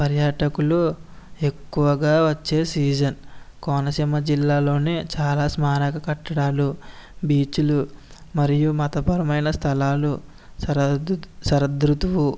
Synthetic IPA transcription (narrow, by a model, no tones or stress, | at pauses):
pɐɾjaːʈɐkulu | e̞kːuʋɐɡaːʋɐt͡ʃːe̞ːsiːd͡ʒɐnkɔːnɐsimɐd͡ʒilːaːlo̞ːneːt͡ʃaːlaːsmaːnɐkɐkɐʈːɐɽaːlubiːt͡ʃulu | mɐɾijumɐt̪ɐpɐɾɐmɐjnɐst̪ʰɐlaːlu | sɐɾɐd̪ɾut̪uʋu